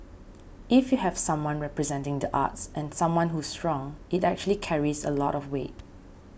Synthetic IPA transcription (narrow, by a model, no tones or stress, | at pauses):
ʔifjuhɛv̥sãmwãnɹɛpɹɛzɛ̃ntɪ̃ŋdəʔa̰tsʔɛ̃nsãmwãnɦustɹɔ̃ŋitɛk̚t͡ʃuəlikʰɛɹizə̰lɔtɔfwḛt̚